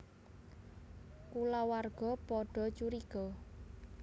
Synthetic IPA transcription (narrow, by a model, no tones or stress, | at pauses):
kulawarɡ̥ɔ̤pɔɖ̥ɔ̤t͡ʃuɾiɡ̥ɔ